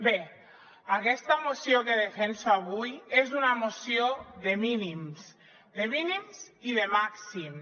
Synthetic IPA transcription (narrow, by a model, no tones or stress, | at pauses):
be | akɛst̪amosjokeðefensoaβ̞ujezunamosioðeminims | d̪eminimziðemaksim